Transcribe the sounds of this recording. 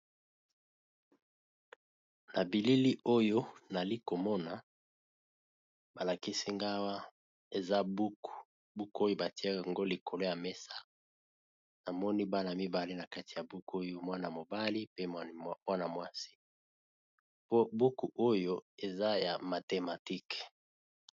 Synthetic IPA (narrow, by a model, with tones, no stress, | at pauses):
na˨bi˨li˦li˦o˦jo˦na˨li˦ko˨mɔ˦na˨ | ba˨la˨ki˦si˦ŋɡa˦wa˦ | e˨za˦bu˦ku˨ | bu˦ko˦jo˦ba˨ti˦a˦a˨ŋɡo˦li˨kʰo˨lo˦ja˨me˦sa˦ | na˨mɔ˦ni˦ba˦na˨mi˦ba˨li˦na˨ka˦ti˨ja˨bu˦ko˦jo˦mwa˦na˨mo˨ba˦li˦pe˦mwa˦na˨mwa˦si̥˦ | po˦bu˦ku˨ʔo˦jo˦e˨za˦ja˨ma˨te˨ma˨ti˦k